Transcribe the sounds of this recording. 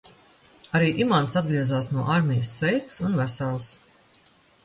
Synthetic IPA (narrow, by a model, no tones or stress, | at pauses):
aɾiːʔimant̪sad̪̚ɡɾiɛzaːsnuɔʔaɾmʲɛjusːɛjksunvæsalˠs